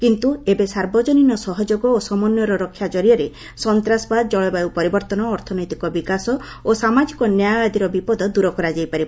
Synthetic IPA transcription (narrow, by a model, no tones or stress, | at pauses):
kint̪uebesaɾbɔd͡ʒɔninɔsɔɦɔd͡ʒoɡɔosɔmɔnjɔɾɔɾɔkʰːjad͡ʒɔɾijɔɾe | sɔnt̪ɾasɔbad̪ɔd͡ʒɔɭɔbawpɔɾibɔɾt̪ɔnɔːɾt̪ʰɔnɔjt̪ikɔbikasɔ | osamad͡ʒikɔnjajɡad̪ʱiɾɔbipɔd̪ɔd̪uɾɔkɔɾad͡ʒajpaɾi